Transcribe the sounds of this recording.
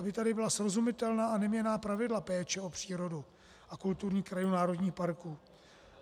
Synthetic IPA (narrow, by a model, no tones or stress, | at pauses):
abɪt̪adɪbɪlasɾo̞zumɪt̪ɛlnaːanɛmɲɛnaːpɾavɪdlapɛːt͡ʃɛo̞pr̝̥iːɾo̞du | ʔakult̪uɾɲiːkɾajunaːɾo̞dɲiːxpaɾkuː